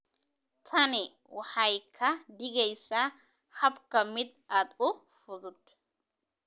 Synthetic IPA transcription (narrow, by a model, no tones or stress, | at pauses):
t̪ʰɐnɛ | waħajkʰɐd̪ɪɡɛjsa | ħabkɐmɪd̪̚ʔad̪ʊ | fʊðʊd̪